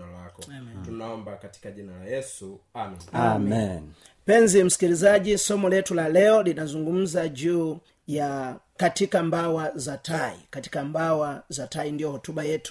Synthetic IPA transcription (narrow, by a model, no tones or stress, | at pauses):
lakɔtunaɔmbakati̥kaʄinalajɛsuamiami | pɛnzim̩si̥kilizaɟisɔmɔlɛtulalɛɔlinazuŋɡum̩zaʄuː | jakatikambawazataḭkati̥kambawazataindijɔhɔtubajɛtu̥